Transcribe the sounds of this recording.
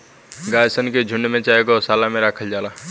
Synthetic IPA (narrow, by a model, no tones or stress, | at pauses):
ɡaːjsənked͡ʒʱʊɳɖmẽt͡ʃaːekosaːlamẽɾaːkʰəld͡ʒaːlaː